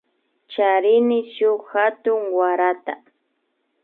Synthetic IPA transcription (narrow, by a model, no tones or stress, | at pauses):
t͡ʃaɾɪnɪʃʊxat̪ʊŋwaɾat̪a